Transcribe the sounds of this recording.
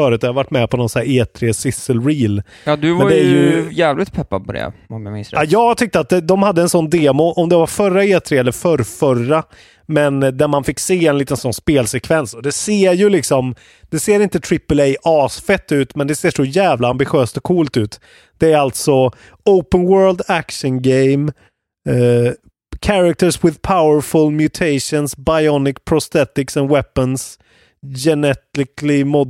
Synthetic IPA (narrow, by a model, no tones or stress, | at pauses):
œːɾʉ̟t̪ɔjavaʈːmɛpʰɔnɔnsnæːɾeːt̪ʰɾeːsɪsːəlɾiːl | jɑːd̪ɵvɛnad̪ɛæɾjjɵjæːvlɪt̪pʰɛpːa̰d̪̚pʰɔd̪ɛ̰ɔmjamɪsjɑːɡt̪ʰʏk̚t̪əat̪̚d̪ɛd̪ɔmhad̪ːəɛnsɔnd̪eːmʊʔɔmd̪ɛvaɾfœɾːaeːt̪ʰɾeːɛlːəɾfœɾfœra | mɛnd̪æɾmanfɪkːseːɛnliːt̪ənsɔnːspeːlsɛkʰvɛnsɔd̪ɛseːɾjɵlɪksɔm | d̪̥ɛseːɾɪnt̪ət̪ʰɾɪpːəlɛjʔɑːsfɛt̪ːʉ̟ːt̪mɛnd̪ɛseːʂɔjæːvlaambɪɧøːst̪ɔkʰːuːlt̪ʉ̟ːt̪ | d̪̥ɛæɾalt̪sɔ | oʊpənwɜːɾld̪ækʂənɡɛɪm | kʰaɾak̚t̪əswɪðpʰaʊəɾfɵlmjʉt̪ʰeɪʂɔnsbajɔnɪkpʰɾɔst̪ɛt̪ɪksɛnwɛpːəns | jɛnɛt̪ɪklɪmɔd̪